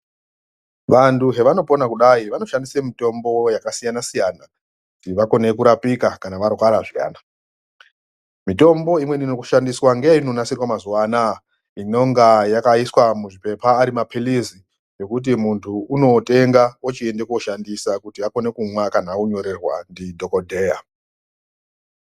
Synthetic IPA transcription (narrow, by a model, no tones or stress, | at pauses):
ʋantuɦe̞ʋano̞po̞nakuɗaiʋano̞ʃandisemito̞mbo̞jakasijanasijana | kutiʋako̞ne̞kuɾapikakanaʋarwaɾaʐija̰ːna | mito̞mbo̞imwe̞ninokuʃandiswaŋɡeino̞nasirwamazuwana | ino̞ŋɡajakaiswamuʐipe̞paːɾimapʰilizi | jo̞kut̬imuntʰuuno̞te̞ŋɡawot͡ʃie̞nde̞ko̞ʃandisakutiako̞ne̞kumwakanauɲo̞ɾerwa̰ndidʱo̞kodʱe̞ja